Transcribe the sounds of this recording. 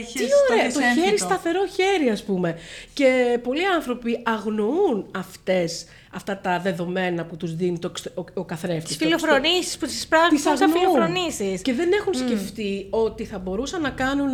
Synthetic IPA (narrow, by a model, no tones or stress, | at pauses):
oɾeɐt̪oçeɾist̪ɐθe̞ɾo̞çe̞ɾiɐspume̞ce̞po̞liɐnθɾo̞piɐɣno̞unɐft̪e̞s | ɐft̪ɐt̪ɐðe̞ðo̞me̞nɐput̪uzðinit̪okokɐθɾeft̪stfilofɾonisi̥sputispɾɐisɐɣnolouɾonisisce̞ðe̞ne̞xunsce̞ft̪io̞t̪iθɐbo̞ɾusɐnːɐkɐnun